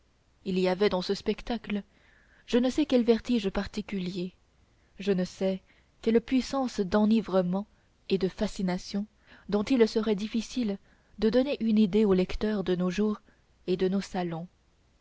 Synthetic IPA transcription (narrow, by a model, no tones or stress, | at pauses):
iliavɛd̪ɑ̃səspɛkt̪aklə | ʒənəsɛkʲɛlvɛʁt̪iʒpaʁt̪ikʲylje | ʒənəsɛ | kʲɛlpɥisɑ̃sd̪ɑ̃nivʁəmɑ̃ | ed̪əfasinasjɔ̃ | d̪ɔ̃t̪ilsəʁɛd̪ifisil | d̪əd̪ɔneʔynid̪eolɛkt̪œʁd̪ənoʒuːʁ | ed̪ənosalɔ̃